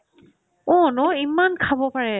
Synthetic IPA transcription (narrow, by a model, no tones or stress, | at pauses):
ɔnɔimːankʰabɔpaɹɛ